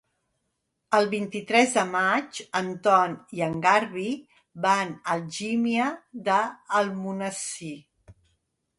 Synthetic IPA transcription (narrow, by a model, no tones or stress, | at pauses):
əlˠβint̪it̪ɾɛzðəmat͡ʃənt̪ɔniəŋɡaɾβi | βanəlˠʒimiəðəːlˠmunəsi